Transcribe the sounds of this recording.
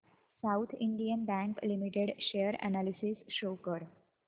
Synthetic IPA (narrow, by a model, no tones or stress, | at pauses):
saʊt̪ʰɪ̃ɳɖijənbæ̃ŋklimiʈeɖʃeəɾæ̰nalisisʃoːkəɾ